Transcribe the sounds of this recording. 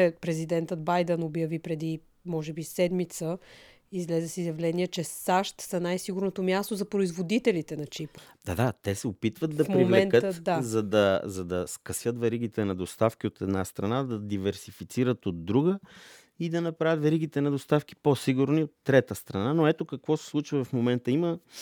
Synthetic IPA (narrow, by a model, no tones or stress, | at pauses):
ɛpɾɛzid̪ɛnt̪əd̪bajd̪ɛnobjɐvipɾɛd̪i | mɔʒɛbisɛd̪mit̪sə | izlɛzɛsizjɐvlɛniɛt͡ʃɛsaʃt̪sɐnajsiɡʊɾnot̪omjast̪ozɐpɾoizvod̪it̪ɛlit̪ɛnɐt͡ʃipd̪̥ad̪at̪ɛsɛopit̪vət̪̚d̪ɐfmpɾiomlɛɛnnkət̪əd̪azɐd̪ɐzɐd̪ɐskɐsjət̪vɛɾiɡ̟it̪ɛnɐd̪ost̪afkiot̪ɛd̪nast̪ɾɐnad̪ɐd̪ivɛɾsifit̪siɾət̪od̪ːɾuɡə | id̪ɐnɐpɾavʲət̪vɛɾiɡ̟it̪ɛnɐd̪ost̪afk̟i̥posiɡʊɾniot̪ːɾɛt̪əst̪ɾɐnanoɛt̪okɐkvɔsɛ̥slˠut͡ʃvɐvɐfmomɛnt̪əimə